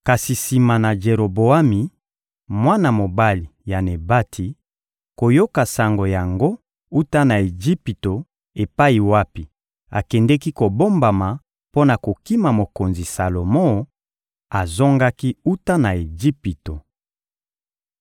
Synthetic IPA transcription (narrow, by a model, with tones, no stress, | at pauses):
ka˨si˨si˨ma˨na˨d͡ʒe˨ʁo˨bo˨a˦mi˨ | mwa˦na˨mo˨ba˦li˨ja˨ne˨ba˦tʰi˨˦ | ko˨jo˦ka˨sa˨ŋɡo˨ja˨ŋɡo˦ | u˦ta˦na˨e˨d͡ʒi˦pi˨to˨ | e˨pa˦i˨wa˦pi˨ | a̰˨kɛ˨ndɛ˦ki˦ko˨bo˦mba˨ma˨ | po˦na˨ko˨ki˦ma˨mo˨ko˨nzi˨sa˨lo˨mo˦ | a˨zo˦ŋɡa˦ki˦u˦ta˦na˨e˨ʒi˦pi˨to˨